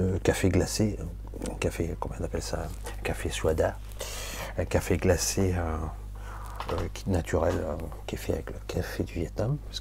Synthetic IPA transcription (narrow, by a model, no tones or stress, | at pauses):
əkafeɡlase | ɛ̃kafekɔ̃m̃ɛ̃napɛlsa | ɛ̃kafeswad̪a | ɛ̃kafeɡlaseø | kʲnat̪ʰyʁɛløkʲiɛfɛa̰vɛkləkʰafed̪yvjɛt̪̚nams